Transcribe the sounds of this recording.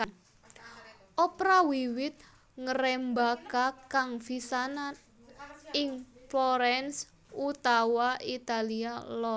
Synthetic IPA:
ʔɔpɾawiwɪt̪̚ | ŋəɾɛmbakakaŋfisanat̪ | ɪŋflɔɾɛns | ut̪awaʔit̪alialɔ

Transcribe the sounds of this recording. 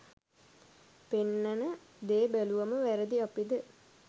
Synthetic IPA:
penːanə | d̪eːbæluʋaməʋæɾəd̪iapid̪ə

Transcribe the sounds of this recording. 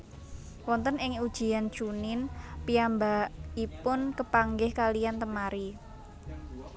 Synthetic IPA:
wɔnt̪ənɪŋud̥ʒ̥i̤an̥t͡ʃunɪnpiambaʔipʊnkəpaŋɡɪhkalijant̪əmaɾi

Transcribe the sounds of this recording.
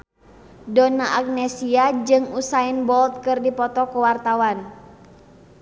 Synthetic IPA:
dɔnaʔak̚nɛsiad͡ʒɨŋusainbɔlt̪̚kɨrdipɔt̪ɔkuwart̪awan

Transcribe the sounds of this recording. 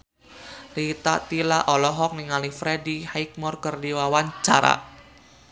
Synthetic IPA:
lit̪a̰ʔt̪ilaʔɔlɔɦɔk̚niŋalifɾedihajk̚mɔrkərdiwawant͡ʃaɾa̰

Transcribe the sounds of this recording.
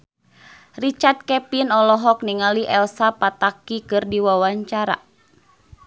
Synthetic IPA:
rit͡ʃart̪̚kɛpinɔlɔɦɔk̚niŋaliʔɛlsapat̪akikɨrdiwawaɲt͡ʃaɾa̰

